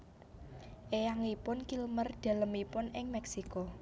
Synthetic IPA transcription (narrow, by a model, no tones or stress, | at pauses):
ʔejaŋipʊnkilmərd̪̥a̤ləmipʊnɪŋmɛksikɔ